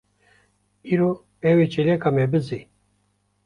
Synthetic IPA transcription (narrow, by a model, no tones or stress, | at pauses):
iɾo | ɛwet͡ʃelɛkamɛbɨzi